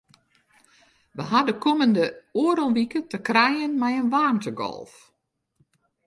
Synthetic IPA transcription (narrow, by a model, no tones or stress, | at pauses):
ʋəɦadəkʰoməndəoːɾəlˠʋikətəkrɛjənmɛjənʋaːntəɡɔ̰lˠf